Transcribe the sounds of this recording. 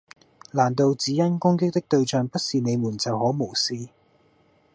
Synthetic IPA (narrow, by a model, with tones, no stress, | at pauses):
laː˨˩nt̪o˧wt͡siː˨˥jɐ˥nkʊ˥ŋkɪ˥k̚t̪ɪ˥k̚t̪ɵ˧ɥt͡ʃœː˨ŋpɐ˥t̚siː˨ne˨˧jmuː˨˩nt͡sɐ˨whɔː˨˥mo˨˩wsiː˧